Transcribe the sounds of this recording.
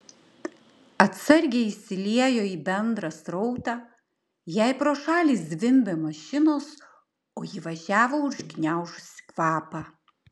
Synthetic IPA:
ɐt̪sɐɾʲɡʲeɪʃʲsʲɪlʲiɛjoːiːbʲɛnd̪ɾɑsɾɔʊt̪ɑː | jɛˑɪpɾoːʃɑːlʲiːsd̪ʲʋʲɪmʲbʲemɐʃʲɪnoːs | oːjɪʋɐʒʲæːʋoːʊʒɡʲnʲæˑʊʃʊsʲɪ̥kʋɑːpɑː

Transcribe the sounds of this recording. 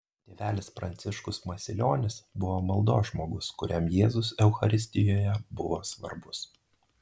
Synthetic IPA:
t̪ʲeːʋʲæːlʲɪspɾɐ̰nʲt̪sʲɪʃkʊsmɐsʲɪlʲoːnʲɪsbʊʋoːmɐlˠd̪oːsʒmoːɡʊskʊɾʲɛmjeːzʊsɛʊxɐɾʲɪsʲt̪ʲɪjoːjɛbʊʋoːsʋɐ̰ɾbʊs

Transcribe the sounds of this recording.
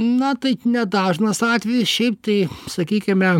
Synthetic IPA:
nɐt̪ɐɪnʲɛd̪ɑːʒnɐsɑːt̪ʲʋʲɛjɪsʃʲɛɪp̚t̪ɐɪsɐkʲiːkʲɪmʲɛ

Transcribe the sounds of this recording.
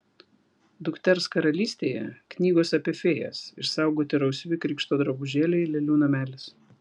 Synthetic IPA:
d̪ʊkt̪ʲɛɾskɐɾɐlʲiːsʲt̪ʲeːjɛ̰knʲiːɡoːsɐpʲiɛfʲeːjɛ̰sɪɾsɑˑʊɡoːt̪ʲɪɾɐʊsʲʋʲɪkɾʲiːkʃt̪oːd̪ɾɐbʊʒʲeːlʲɛɪlʲɛlʲuːnɐmʲæːlʲɪs

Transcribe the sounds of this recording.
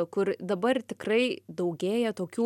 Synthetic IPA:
kʊrd̪ɐbɐrt̪ʲɪkrɐɪd̪ɐʊɡʲeːjɛt̪oːkʲuː

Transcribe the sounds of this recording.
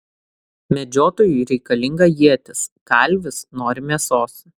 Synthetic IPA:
mʲɛd͡ʒʲoːt̪oːjuɾʲɛɪkɐlʲɪŋɡɐjiɛt̪ʲɪskɐˑlʲʋʲɪsnoːɾʲɪmʲiɛsoːs

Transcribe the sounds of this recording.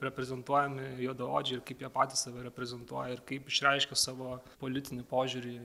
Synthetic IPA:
ɾʲɛpʲɾʲɛzʲɛnt̪uɔjɛmʲɪjoːd̪ɐoːd͡ʒʲɪɪɾkɐɪpjiɛpɑːt̪ʲisʋʲɛɾʲɛpʲɾʲɛzʲɛnt̪uɔjɛɪɾkɐɪpɪʃʲɾʲɛɪʃʲkʲɛsɑːʋoːpoːlʲɪt̪ʲɪnʲɪpoːʒʲuːɾʲiː

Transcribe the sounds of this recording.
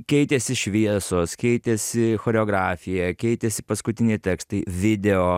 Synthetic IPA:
kʲɛɪt̪ʲɛsʲɪʃʲʋʲiɛsoːskʲɛɪt̪ʲɛsʲɪxoːɾʲɛoːɡɾɑːfʲɪjɛkʲɛɪt̪ʲɛsʲɪ̥pɐskʊt̪ʲɪnʲɛɪt̪ʲɛːkst̪ɐɪʋʲɪd̪ʲɛoː

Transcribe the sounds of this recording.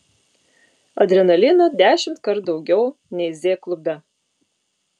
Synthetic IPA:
ɐd̪ʲɾʲɛnɐlʲɪnɐd̪ʲæːʃʲɪmt̪kɐɾt̪̚d̪ɒʊɡʲɛʊ | nʲɛɪzʲeːklˠʊbʲɛ

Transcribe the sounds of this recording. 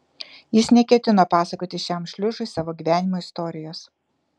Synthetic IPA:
jɪsnʲɛkʲɛt̪ʲɪnopɑːsɐkoːt̪ʲɪʃʲɛˑmʃʲlʲʊʒʊɪsɑːʋoːɡʲiːʋʲæːnʲɪmoːɪst̪ɔːɾʲɪjoːs

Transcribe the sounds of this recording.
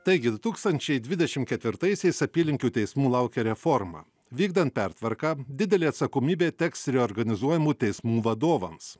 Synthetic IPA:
t̪ɐɪɡʲɪd̪ʊt̪uːkst̪ɐnʲt͡ʃʲɛɪd̪ʲʋʲɪd̪ʲɛʃʲɪmt̪kʲɛt̪ʲʋʲɪɾt̪ɐɪsʲɛɪsɐpʲiːlʲɪŋʲkʲuːt̪ʲɛɪsmuːlˠɑˑʊkʲɛɾʲɛfɔɾmɑ̰ː | ʋʲiːɡd̪ɐnt̪̚pʲæˑɾt̪ʋɐɾkɑːd̪ʲɪd̪ʲɛlʲeːɐt̪sɐkomʲiːbʲeːt̪ʲɛksʲɾʲɛɔɾɡɐnʲɪzuɔjɛmuːt̪ʲɛɪsmuːʋɐd̪oːʋɐms

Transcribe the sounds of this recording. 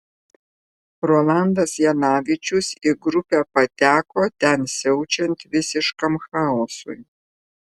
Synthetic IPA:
ɾoːlˠand̪ɐsjɛnɑːʋʲɪt͡ʃʲʊsɪɡɾʊpʲæːpɐt̪ʲæːkoːt̪ʲɛnsʲɛʊt͡ʃʲɛnt̪ʲʋʲɪsʲɪʃkɐmxɑːɔsṵj

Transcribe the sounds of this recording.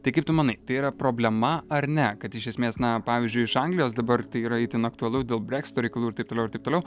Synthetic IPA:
t̪ɐɪkɐɪp̚t̪ʊmɐnɐɪt̪ɐɪiːɾɐpɾoːbʲlʲɛmɐɐɾnʲɛkɐt̪ɪʃʲɛsʲmʲeːsnɐpɑːʋʲiːzʲd͡ʒʲʊɪɪʃɐŋɡlʲɪjoːsd̪ɐbɐrt̪ɐɪiːɾɐɪt̪ʲɪnɐkt̪ʊɐlˠʊdʲeːlˠbʲɾʲæːksʲɪ̥t̪oːɾʲɛɪkɐlˠuːɪɾt̪ɐɪpt̪oːlʲɛʊɪɾt̪ɐɪpt̪oːlʲɛʊ

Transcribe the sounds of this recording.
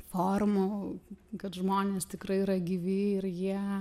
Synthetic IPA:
foːrmʊkɐtʒmoːnʲeːst̪ʲɪkɾɐɪiɾɐɡʲiʋʲɪːɪɾjiɛ

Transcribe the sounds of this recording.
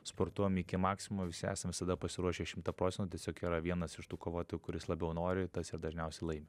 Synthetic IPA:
spoːɾt̪uɔjɛmɪkʲɪmɑːksʲɪmmɐʋʲɪsʲɪæ̰ːsɐmʋʲɪsɐd̪ɐpɐsʲɪɾuɔʃʲeːʃʲɪmt̪ɐpɾoːt͡sʲsʲɛnt̪uːt̪ʲɛsʲoːkiːɾɐʋʲiɛnɐsɪʃt̪uːkoːʋoːt̪oːjukʊɾʲɪslˠɐbʲɛʊnoːɾʲɪt̪ɐsɪrd̪ɐʒʲnʲɛʊsʲɛɪlˠɐɪmʲeː

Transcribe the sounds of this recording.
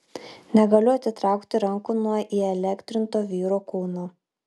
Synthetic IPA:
nʲɛɡɐlʲʊɐt̪ʲɪt̪ɾɑˑʊkt̪ʲɪɾɐŋkuːnuɔʔiːɛlʲɛkt̪ʲɾʲɪnt̪oːʋʲiːɾoːkuːnoː

